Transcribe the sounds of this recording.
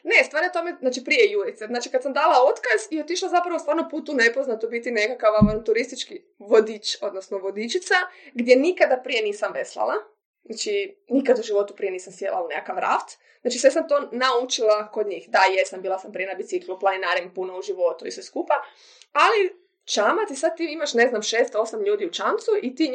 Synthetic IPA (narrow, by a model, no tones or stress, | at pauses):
ne̞st̪ʋaːɾiot̪o̞meznaːt͡ʃipɾijejuɾit̪seznaːt͡ʃikad̪samd̪aːlˠao̞t̪kaziot̪iʃlˠazapɾaʋost̪ʋaːɾnopuːt̪une̞poznat̪obit̪inekakaʋont̪uɾist̪it͡ʃki | ʋod̪it͡ʃo̞d̪nosnoʋo̞d̪it͡ʃit̪saɡd̪je̞nikad̪apɾije̞niːsamʋeslˠa̰lˠa | at͡ʃinikad̪uʒiʋo̞t̪upɾije̞niːsamsjḛlˠa̰unekakaʋɾa̰ft̪ | znaːt͡ʃisʋesamt̪o̞naut͡ʃilˠakod̪ɲiːxd̪ajesambiːlˠasampɾije̞nabit̪sikluplˠaninaɾimpunouʒiʋo̞t̪uisʋeskupa | ali | t͡ʃamat̪isad̪̚t̪ːiimaʃne̞znamʃeːst̪o̞samʎuːd̪iut͡ʃamt̪suʔit̪i